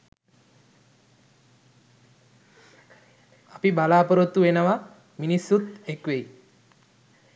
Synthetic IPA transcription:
apibalaːpəɾut̪ːuʋenəʋa | minisːut̪ekʋej

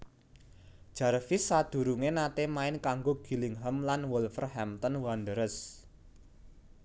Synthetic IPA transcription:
d̥ʒ̥a̤ɾfɪsːad̪̥ṳɾuŋenat̪emaɪnkaŋɡoɡ̥i̤lɪŋɦəmlanwɔlfərɦɛmt̪ənwand̪əɾəs

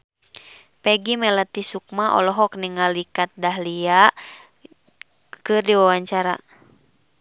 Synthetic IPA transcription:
pɛɡimɛlat̪isuk̚maʔɔ̰lɔɦɔk̚niŋalikat̪̚daɦliaʔ | kɨrdiwawaɲt͡ʃaɾa

